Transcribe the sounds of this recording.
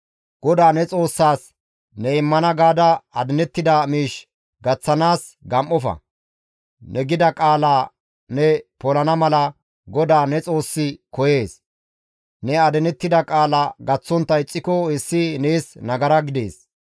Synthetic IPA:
ɡ̥ɔd̪aːnɛt͡sʼo̞ːsːaːs | nɛɪmːɐnɐɡaːd̪ɐɐd̪ɛnɛt̪ːɪd̪ɐmiːʃ | ɡɐt͡sːɐnaːs | ɡɐmʔɔfɐ̰ | nʔɛɡɪd̪ɐkʼaːlaː | nɛpɔlɐnɐmɐlɐ | ɡɔd̪aːnɛt͡sʼo̞ːsːɪkɔje̞ːs | nɛɐd̪ɛnɛt̪ːɪd̪ɐkʼaːlɐɡɐt͡sːɔnt̪ːɐɪt͡sʼːɪkɔɪsːɪne̞ːsnɐɡɐɾɐɡɪd̪e̞̰ːs

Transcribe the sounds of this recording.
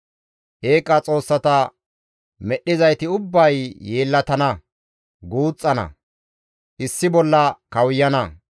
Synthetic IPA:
ʔe̞ːkʼːɐt͡sʼo̞ːsːɐt̪ɐ | mɛɗːɪzɐjt̪ɪʊbːɐjːeːlːɐt̪ɐnɐ | ɡuːt͡sʼːɐnɐ̰ | ʔɪsːɪbɔlːɐkɐwjːɐnɐ

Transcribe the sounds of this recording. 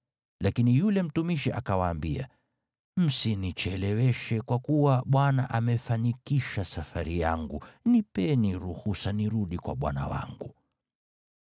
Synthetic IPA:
lakinijulɛm̩tumiʃiʔa̰kawaːmbia̰ | m̩sinit͡ʃɛlɛwɛʃɛkwakuwaɓwanaʔamɛfanikiʃasafaɾijaŋɡunipɛniɾuhusaniɾuɗikwa̰ɓwa̰na̰wa̰ŋɡu

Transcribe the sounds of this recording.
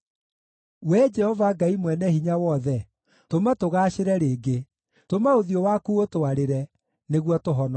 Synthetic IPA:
wɛd͡ʒɛhɔvaɡaimwɛnɛhiɲawɔðɛ | tomatoɣaːɕeɾɛɾeːɡe | tomaoðiɔwakuotoaɾeɾɛ | neɣwɔtoɦɔnɔ

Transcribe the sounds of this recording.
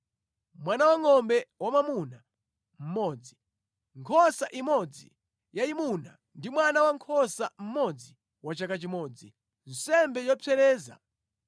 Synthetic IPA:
mwanawaŋɔmbɛwamamuna | m̩mɔːd͡zi | ŋkʰɔsaʔimɔd͡zi | jaimuna̰ | ndimwanawaŋkʰɔsam̩mɔd͡zi | wat͡ʃakat͡ʃimɔːd͡zi | n̩sɛmbɛjɔpʰɛɾɛːza̰

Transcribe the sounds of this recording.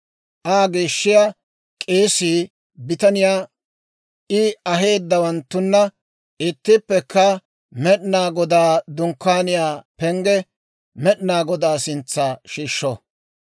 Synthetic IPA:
ʔaːɡeːʃːɪja | kʼe̞ːsiː | bɪt̪ɐnɪjaː | ʔɪɐɦe̞ːd̪ːɐwɐnt̪ːʊnːɐ | ɪt̪ːɪpːɛkːɐ | mɛɗnaːɡɔd̪aːd̪ʊŋkːaːnɪjaːpɛŋɡɛ | mɛɗnaːɡɔd̪aːsɪnt͡sːaːʃiːʃːɔ

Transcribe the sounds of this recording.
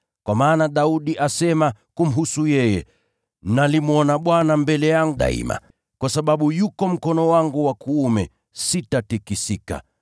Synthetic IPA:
kwamaːnaɗauɗiʔasɛmakum̩ɦusujɛjɛ | nalimɔnaɓwanambɛlɛjaŋɡuɗa̰ḭma̰ | kwasaɓaɓujukɔm̩kɔnɔwaŋɡuwakuːmɛ | sitatikisika̰

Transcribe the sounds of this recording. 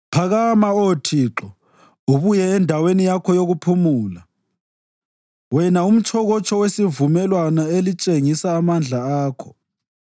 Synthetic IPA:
pʰaɣamaotʰiːǁɔ | uβujɛːndʱawenijakʰɔjoɣupʰumuːla | wɛnaum̩t͡ʃʰɔɣɔt͡ʃʰʼɔwesivumɛlwanaelit͡ʃʼeŋisaːmand͡ɮʱaaːkʰɔ̥

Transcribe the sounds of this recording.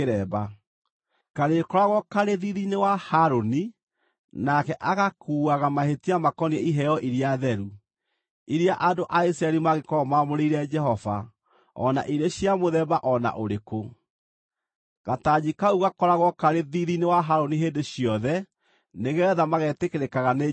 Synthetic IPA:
eɾɛːba | kaɾekɔɾaɣwɔkaɾeðiðinewahaɾoni | nakɛʔaɣakuːaɣamahetiamakɔniɛiɦɛɔʔiɾiaðɛɾu | iɾiaʔandoʔais̬ɾaɛɾimaɣekɔɔmamoɾeiɾɛd͡ʒɛɦɔva̰ | ɔ̰na̰ʔiɾeɕiamoðɛbaʔɔna̰ʔoɾeko | ɣatad͡ʑikauɣakɔɾaɣwɔkaɾeðiðinewaɦaɾoniɦeːndeɕjɔðɛ | neɣɛðamaɣɛtekeɾekaɣane

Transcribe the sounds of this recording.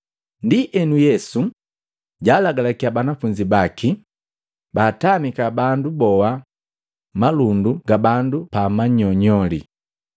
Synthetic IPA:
ndiʔɛnujɛsu | ɟaːlaɡalakiabanafuɲd͡ʒibaki | baːtamikabandubɔwa | malunduɡabandupamaɲɔɲɔlḭ

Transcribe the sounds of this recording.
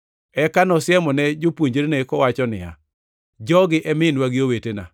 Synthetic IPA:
ɛkanɔsjɛmɔnɛd͡ʒopwoɲd͡ʒɾnekɔwat͡ʃɔnɪ̰a̰ | d͡ʒɔɡɪʔɛmɪnwaɡɪowetena̰

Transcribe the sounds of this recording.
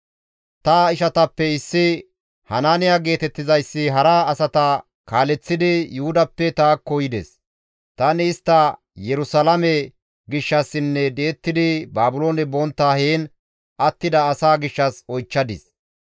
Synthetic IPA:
t̪ɐɪʃɐt̪ɐpːɛɪsːɪ | hɐnaːnɪjaɡe̞ːt̪ɛt̪ːɪzɐjsːɪɦɐɾɐːsɐt̪ɐ | kaːlɛt͡sːɪd̪ɪjʊhʊd̪ɐpːɛt̪aːkːɔjɪd̪ɛ̰s | t̪ɐnɪːst̪ːɐ | jɛɾʊsɐlɐmɛ | ɡɪʃːɐsːɪnːɛd̪eːt̪ːɪd̪ɪbaːbʊlo̞ːnɛbɔnt̪ːaːheːn | ɐt̪ːɪd̪ɐːsaːɡɪʃːɐsɔjt͡ʃːɐd̪ɪs

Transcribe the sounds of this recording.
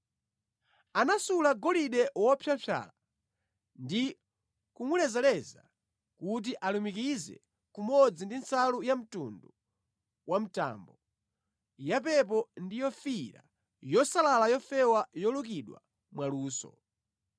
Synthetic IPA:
anasulaɡɔliɗɛwɔpʰjapʰa̰ːla | ndi | kuŋwilɛzɛlɛza | kut̬iʔalumikizɛ̰ | kumɔd͡zindinsalujam̩tṵndu | wam̩ta̰ːmbɔ | jap̬ɛp̬ɔndijɔfiɾa̰ | jɔsalalajɔfɛwajɔlukiɗwa̰ | mwaluːsɔ̰

